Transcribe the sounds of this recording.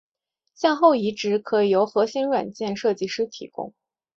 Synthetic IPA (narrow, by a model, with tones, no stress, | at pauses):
ɕjɑ˥˧ŋxo˥˩ʊi˧˥ʈ͡ʂɻ̩˧˥kʰɤ˧˥˨jo˧˥ʊxɤ˧˥ɕi˧˥nɻwa̰˨˩nt͡ɕjɛ˥˧nʂɤ˥˧t͡ɕi˥˧ʂɻ̩˥t̪ʰḭ˨˩kʊ̰˥˩ŋ